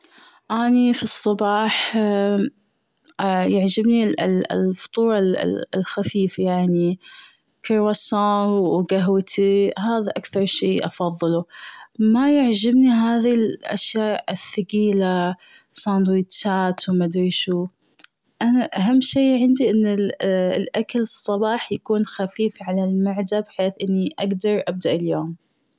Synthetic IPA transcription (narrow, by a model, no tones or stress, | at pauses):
ʔaːnifisˤːɑbɑːħ | jaʕd͡ʒɪbnḭlfʊ̥t̪ˤuːɾˤɑ̰lxafiːfajaʕni | kɑɾˤwasaːwɡaɦwt̪ʰiɦaːðaʔakθɑɾˤʃeːʔɑfɑðˤːɨlumajɪʕd͡ʒɪbniɦaːðilʔa̰ʃjaːʔʔɪθːaɡiːla | sˤɑːnd̪wiːt͡ʃːaːt̪wmad̪ɾiːʃu | ʔanaʔaɦamːʃeːʕɪnd̪iʔɪnːɪllʔakalɨsˤːɑbɑːħjakuːnxafiːfʕalalmaʕd̪abħeːθʔɪnːiʔaɡd̪ɑɾˤʔab̚d̪aʔɪljoːm